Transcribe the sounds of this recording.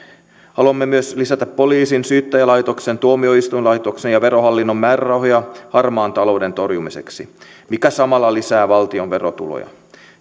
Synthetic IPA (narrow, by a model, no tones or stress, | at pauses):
hɑluɑmːemyøslisæt̪æpːo̞liːsinsyːt̪ːæjælɑjt̪o̞ksent̪uomio̞ist̪ujnlɑjt̪oksenjɑʋe̞ɾo̞ɦɑlːinːo̞mːæːrærɑwɦojɑhɑrmɑːnt̪ɑlo̞ːde̞nt̪o̞rjumise̞̰ksi | mikæsɑmɑlːɑlisæːʋɑlt̪io̞nʋe̞ro̞t̪ṵlo̰jɑ̰